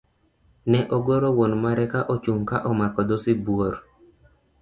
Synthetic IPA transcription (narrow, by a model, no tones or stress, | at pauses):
nɛʔoɡoɾowonmaɾɛkaʔot͡ʃuŋkaʔɔmakɔd̪osɪbwoɾ